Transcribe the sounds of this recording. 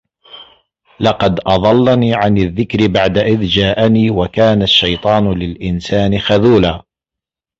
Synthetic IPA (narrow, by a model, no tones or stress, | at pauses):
lɑqɑd̪ʔɑðˤɑlːaniːʕanɪðːɪkɾɪbaʕd̪aʔɪðd͡ʒaːʔaniːwakaːnaʃːɑjt̪ˤɑːnlɪlʔɪnsaːnɪxaðuːlaː